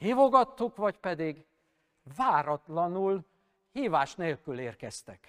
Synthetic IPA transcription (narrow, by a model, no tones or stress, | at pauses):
hiːvo̞ɡɒt̪ːukvɒcpɛd̪iɡ | vaːɾɒt̪lɒnul | hiːvaːʃneːlkyleːrkɛst̪ɛk